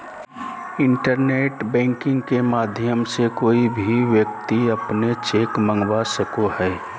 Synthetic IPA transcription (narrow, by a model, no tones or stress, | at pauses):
ɪ̃ɳʈəɾneːʈbɛ̃ːŋkɪ̃ŋɡkemaːd̪ʱjəmsekoːibʱiʋjək̚t̪iɐpnet͡ʃeːkmə̃ŋɡwasəkohɛː